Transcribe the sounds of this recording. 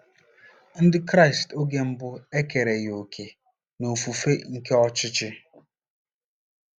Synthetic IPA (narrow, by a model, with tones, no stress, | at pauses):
n̩˦dɪ˦kɾa˦˨ɪ˨sto˦ɡe˦m̩˦bʊ˦e˦ke˨ɾe˨jo˨kʰe˨ | no˨fu˨fe˦ŋ̩˦ke˦ɔ˦t͡ʃɪ˦t͡ʃɪ˦